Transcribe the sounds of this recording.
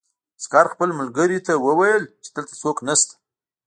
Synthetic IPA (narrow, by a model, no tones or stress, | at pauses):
skɑɾxpəlmʊlɡəɾit̪awəwajəlt͡ʃe̥d̪̥əlt̪ḁsoknast̪ḁ